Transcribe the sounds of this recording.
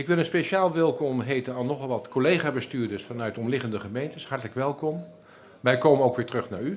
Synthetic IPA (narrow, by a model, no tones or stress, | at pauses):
ɪkʋɪlˠənspeʃaːlˠʋɛlˠkɔmɦejtənalˠnɔχɑlˠʋɑtkʰolejχaːbəstyːɹdəɹsfɑnœɥtɔmlɪχəndəχəmejntəshɑɹtələkʋɛlˠkɔm | ʋɛjkoːmənoʊwkʋɪːɹtrɵχnaːɹy